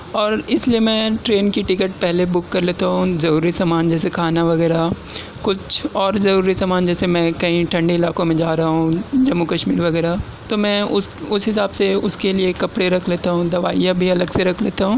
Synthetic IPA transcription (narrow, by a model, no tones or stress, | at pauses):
ɔːɾɪsliemɛ̃ːʈɾeːnkiʈɪkəʈ̚pɛɦlebʊkːɐɾleːt̪aɦũzɐɾuːɾisaːmaːnd͡ʒɛːsekʰaːnaʋɐɣɛːɾa | kʊt͡ʃʰɔːɾzɐɾuːɾisaːmaːnd͡ʒɛːsemɛ̃ːkɐɦĩʈʰɐ̃ɳɖiɪlaːkõmẽd͡ʒaːɾɐɦaɦũd͡ʒɐmːukɐʃmiːɾʋɐɡɛːɾa | t̪omɛ̃ːʊsʊsɦɪsaːbseʊskeliekɐpɽeɾɐkʰleːt̪aɦũd̪ɐʋaːjabʱiɐləɡseɾɐkʰleːt̪aɦũː